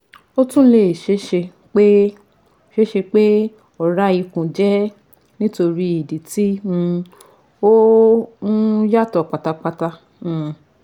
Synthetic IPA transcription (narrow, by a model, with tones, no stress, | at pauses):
o˦tũ˦le˦˨ʃe˦ʃe˧ | k͡pe˦˨ | ʃe˦ʃe˧k͡pe˦ | ɔ˦˨ɾa˦i˧kũ˨d͡ʒɛ˦ | nĩ˦to˧ɾi˧˦i˨di˨ti˦ũ˧ | o˦ñ̩˦ja˦˨tɔ˨k͡pa˨ta˧k͡pa˧ta˧ | ũ˨